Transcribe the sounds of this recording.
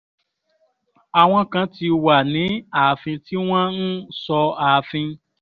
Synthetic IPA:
a˨w̃ɔ̃˧kã˧ti˧wa˨nĩ˨˦a˨a˨fĩ˧ti˦w̃ɔ̃˦n̩˦sɔ˧a˨fĩ˧

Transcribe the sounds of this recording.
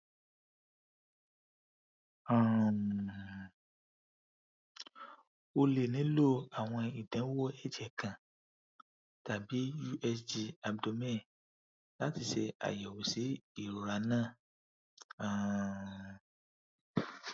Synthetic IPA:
ã˦˨ | o˧le˨nĩ˨˦lo˦a˨w̃ɔ̃˧i˨dɛ̃˨˦wo˦ɛ˦˨d͡ʒɛ˨kã˨ | ta˨bi˨˦ju˦ʔɛ˧sd͡ʒi˧a˧bdo˧mɛ̃˦˨ | la˦ti˧ʃɛ˧a̰˨jɛ˨wo˨si˨˦i˦˨ɾo˨ɾa˧nãː˦˨ | a˦˨

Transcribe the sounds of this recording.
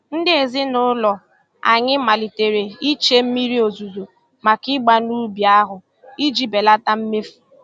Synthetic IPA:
n̩˦dɪ˦e˨zɪ˦nʊ˦lɔ˨ | a̰˨ɲɪ˦ma˨li˨te˨ɾe˨i˦t͡ʃe˦m̩˦mi˦ɾi˦o˨zu˨zo˨ | ma˨kɪ˦ɡ͡ba˦nu˦bi˨a˦ɦʊ˨ | i˦d͡ʒi˦be˨la˦ta˦m̩˦me˦fu˨

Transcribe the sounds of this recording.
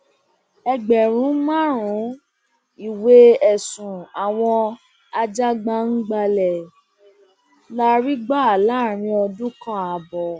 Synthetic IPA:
ɛ˧ɡ͡bɛ˨ɾ̃ũ˨˦mã˦ɾũ˨˦ | i˦˨we˦ɛ˨sũ˨a˨w̃ɔ̃˧ | a˧d͡ʒa˦ɡ͡ba˧n̩˦ɡ͡ba˧lɛ˨ | la˦ɾi˦ɡ͡ba˦˨la˦˨ɾ̃ĩ˧ɔ˧dũ˦kã˦a˨˧bɔ˨

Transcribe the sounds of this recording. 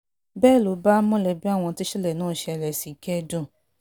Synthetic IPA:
bɛː˦˨lo˨˦ba˦mɔ̃˦˨lɛ˨bi˦a˦˨w̃ɔ̃˧ti˦ʃɛ˦˨lɛ˨nãː˦˨ʃɛ˧ɛ˧˨lɛ˨si˨˦kɛ˦dɔ̃˦˨

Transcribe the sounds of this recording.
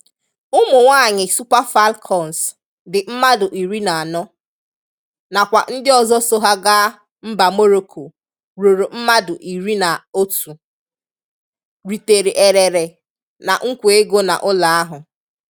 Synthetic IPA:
ʊ˦mʊ˨ŋʷaː˦˨ɲɪ˨su˦pa˦fa˦lkʰɔ˨n˨s | dɪ˨m̩˦ma˦dʊ˨ʔi˨ɾi˦na˨a˨nɔ˦ | na˨kʷa˨n̩˦dɪ˦ɔ˨zɔ˦so˦ɦa˦ɡa˦ | m̩˦ba˨mo˦ɾo˦kʰo˨ | ɾo˨ɾo˨m̩˦ma˦dʊ˨ʔi˨ɾi˦na˨o˦tu˨ | ɾi˨te˨ɾe˨ʔe˨ɾe˨ɾe˨ | na˨ŋ̩˦kʷe˦ɡo˦na̰˨ʔʊ˦la˨a˦ɦʊ˨

